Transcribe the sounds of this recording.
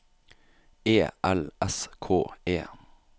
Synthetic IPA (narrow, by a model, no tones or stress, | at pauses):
eːʔɛlʔɛskʰoːeː